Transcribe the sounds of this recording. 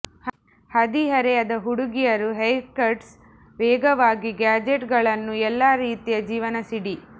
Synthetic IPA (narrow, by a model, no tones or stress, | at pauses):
hɐd̪iɦɐɾeɐd̪ɐɦuɽuɡijɐɾuɦɐjkɐɾɖs | ʋeːɡɐʋaːɡiɡaːd͡ʒeʈɡɐɭɐnːuɛlːaːɾiːt̪ijɐd͡ʒiːʋɐnɐsiɽi